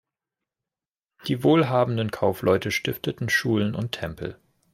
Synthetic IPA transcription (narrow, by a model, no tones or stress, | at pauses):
d̥iːvoːlɦaːbn̩dənkʰaʊflʔɔʏtəʃtɪftətn̩ʃuːlənʊ̰ntʰːɛmpʰl̩